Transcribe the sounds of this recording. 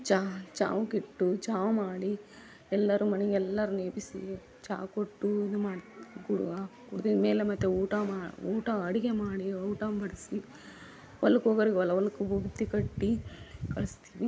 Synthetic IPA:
t͡ʃat͡ʃa̰ːʋukiʈːut͡ʃaːʋmaːɽi | ɛlːɐɾumɐniɡɛlːɐɾuneːbisḭ | t͡ʃa̰ːkoʈːuid̪umaːɽɡuɽṵʋɐkuɽt̪inmeːlemɐt̪ːeuːʈamaːuːʈɐɐɽiɡemaːɽiɐwʈambɐɽisi | ʋɐlːɐkoːɡɐɾiɡeɐlɐʋɐlːɐkːubʱuɡt̪ikɐʈːikɐɭist̪i̥ːʋi

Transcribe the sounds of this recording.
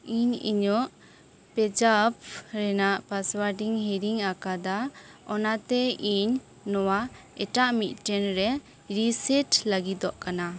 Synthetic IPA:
iɲḭɲɔʔ | pɛd͡ʒap̚ɾɛnaʔpaswaɾɖiŋhiɾiŋakad̪aɔnat̪ɛiɲː | ɔwa | ɛʈaʔmit̪̚ʈɛnɾɛ | ɾisɛt͡ʃlaɡid̪ɔʔkana

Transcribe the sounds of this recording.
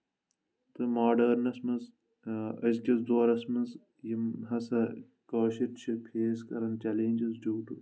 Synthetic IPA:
t̪ɨmaːɖɐːɾnɐsmɐnz | ɐsɡɐzd̪oːɾɐsmɐz | jimɦɐsɐ | kɐːʃiʈt͡ʃʰipʰeːskɐɾɐnt͡ʃɐleːnʲd͡ʒizd͡ʒuːʈṵ

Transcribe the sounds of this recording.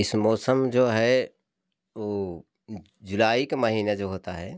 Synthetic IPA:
ɪsmɔːsəmd͡ʒoːɦɛ | ʋoː | d͡ʒʊlaːikemɐɦiːned͡ʒoːɦoːt̪aɦɛː

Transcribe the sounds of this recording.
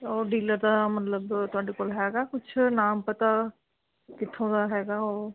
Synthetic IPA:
ɔːɾɖiːləɾd̪aːmət̪ləbt̪ʊaːɖeːkoːlɦɛːɡaːkʊt͡ʃʰnaːmpət̪aː | kɪt̪ʰːõːd̪aːɦɛːɡaːoː

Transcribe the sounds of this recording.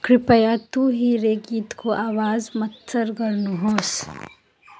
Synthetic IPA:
kɾɪpəjat̪uɦiːɾeɡiːt̪kʰoʔaːʋaːzmɐt̪səɾɡɐɾnuɦoːs

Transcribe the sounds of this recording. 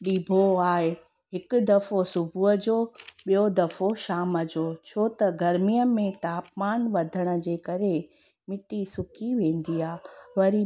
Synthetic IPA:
ɗiːbʱoaːɦe | ɦɪkʊd̪ɐfosʊbʱuəd͡ʑoːɓijod̪ɐfoʃaːməd͡ʑoːt͡ɕʰoːt̪ɐɡɐɾmijəmẽt̪aːpmaːnʋɐd̪ʱəɽ̃ə̆d͡ʑeːkɐɾe | mɪʈisʊkʰiʋẽːn̆d̪iːaːʋɐɾi

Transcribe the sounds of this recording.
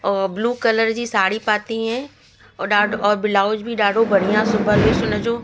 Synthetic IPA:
bluːkələɾd͡ʑisaːɽipaːt̪iɦɛ̃ | ɗaːɖɔːɾbɪlaːod͡ʒbʱiɗaːɖʱobɐɽ̤ijãsʊbʱəɾbʱisʊnəd͡ʒoː

